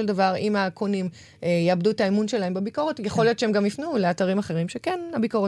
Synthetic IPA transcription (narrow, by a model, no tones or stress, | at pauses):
eldavaʁimakʰonim | ejaabduetaimunʃe̞lae̞mbebiko̞ʁetjeχo̞ljott͡ʃeemɡamifnule̞ataʁimaχe̞ʁimʃekenabiko̞ʁe